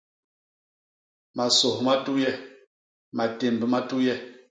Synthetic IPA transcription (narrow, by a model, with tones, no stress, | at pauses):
ma˨sɔ˨hma˦tu˦jɛ˦ | ma˨te˨m˨bə˨ma˦tu˦jɛ˦